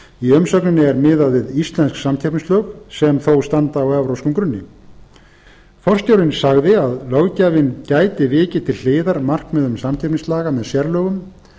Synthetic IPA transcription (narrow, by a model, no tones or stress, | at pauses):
iœmsœknɪnːɪɛɾmɪːðaðvɪðist̪lɛnsksamc̪ʰɛpnɪslœɣsɛmθowst̪ant̪aːwɛvɾowskʏmkɾʏnːɪ | fɔr̥st̪owɾɪnsaɣðɪaðlœɣcaːvɪncaːjt̪ɪvɪːcɪt̪ʰɪlleːðaɾmar̥kmɛðʏmsamc̪ʰapnɪslaːɣamɛðsjɛɾlœːɣʏm